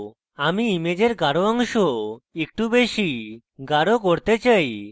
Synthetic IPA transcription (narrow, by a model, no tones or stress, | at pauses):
amiimed͡ʑeɾɡaɾoɔŋʃoek̚ʈubeʃi | ɡaɾokoɾt̪et͡ɕaj